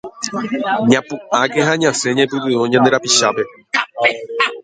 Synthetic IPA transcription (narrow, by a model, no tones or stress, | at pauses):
ɲãpuʔakeɦaɲãseɲẽpɨt̪ɨõɲãnd̪e̞ɾapiʃape̞